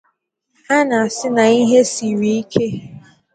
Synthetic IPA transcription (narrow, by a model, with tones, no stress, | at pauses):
ha˦na˨a˨sɪ˦na˨i˦ɦe˦si˨ɾi˨i˦kʰe˦